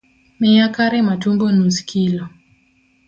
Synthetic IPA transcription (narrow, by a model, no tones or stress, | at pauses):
mɪjakaɾɛmatumbonuskʰilo